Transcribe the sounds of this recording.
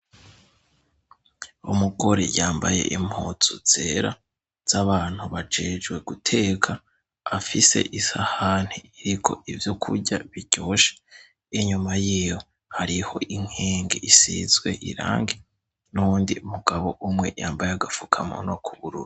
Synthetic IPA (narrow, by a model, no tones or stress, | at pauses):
umuɡo̞ɾḛjaːmba̰je̞̰ʔim̥hoːt͡suz̥e̞ɾa | z̥aβaːn̥huβad͡ʒe̞ːd͡ʒɡwe̞ɡ̥utʰe̞kʰaː | fise̞̰ʔisahan̥hiiɾikʰo̞̰ʔivjo̞kʰuɾɟaβiɟo̞ːʃe̥ | iɲumajiːjo̞ | haɾiho̞̰iŋ̥heːŋɡeisḭzwe̞̰ʔḭɾa̰ːŋɡe | nundiumuɡ̥aβo̞ʔumŋe̞̰jaːmbajeaɡafukʰamo̰nokʰuβuɾṵːɾi